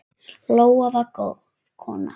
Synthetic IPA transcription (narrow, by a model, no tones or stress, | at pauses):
lowavako | kʰo̰na̰